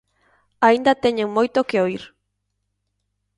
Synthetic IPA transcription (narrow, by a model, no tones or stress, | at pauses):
aind̪at̪eɲeŋmojt̪okeoiɾ